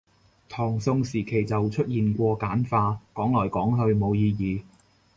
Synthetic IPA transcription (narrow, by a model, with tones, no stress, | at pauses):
t̪ʰɔː˨˩ŋsʊ˧ŋsiː˨˩kʰe˨˩jt͡sɐ˨wt͡ʃʰɵ˥t̚jiː˨nkʷɔː˧kaː˨˥nfaː˧kɔː˨˥ŋlɔː˨˩jkɔː˨˥ŋɦɵ˧ɥmo˨˧wjiː˧jiː˨˧